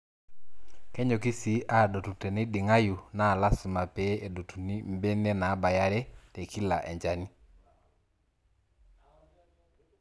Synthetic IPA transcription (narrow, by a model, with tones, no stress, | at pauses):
kɛ˦ɲo˨ki˦si˨˦ʔa˦˨ɗo˨tu˨tɛ˨nɪ˦ɗɪ˨ŋa˦ju˨na˦˨la˦sʊ˨ma˨pɛ˦e˨do˨tʰu˨ni˦mbe˦ne˦naː˨˦ba˨ja˦ɾɛ˦te˨kʰi˦la̰˨ʔɛ̰˨ɲd͡ʒa˦ni˦